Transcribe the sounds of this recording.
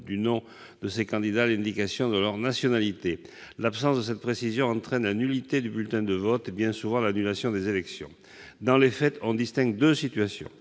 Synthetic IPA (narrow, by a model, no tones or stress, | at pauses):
d̪ynɔ̃ | d̪əsekɑ̃d̪id̪aːlɛ̃d̪ikasjɔ̃d̪əlœʁnasjɔnalit̪e | lapsɑ̃sd̪əsɛt̪̚pχesizjɔ̃ɑ̃t̪χɛnlanylit̪ed̪ybylt̪ɛ̃d̪əvɔt̪ebjɛ̃suvɑ̃lanylasjɔ̃d̪ezelɛksjɔ̰̃ | d̪ɑ̃lefɛt̪ɔ̃d̪ist̪ɛ̃ɡd̪øsit̪yɥasjɔ̰̃